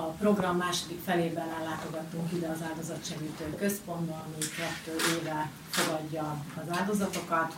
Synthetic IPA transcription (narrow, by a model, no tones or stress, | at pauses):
ɒpro̞ɡrɒmmːaːʃo̞d̪ikfɛleːbɛnɛlːaːt̪o̞ɡɒt̪ːuŋkid̪ɛɒzaːld̪o̞zɒt̪ʃɛɡiːt̪øːkø̞spo̞nd̪ɒlmikɛt̪ːøːʔeːvɛ | fo̞ɡɒɟːɒɒzaːld̪o̞zɒt̪o̞kɒt̪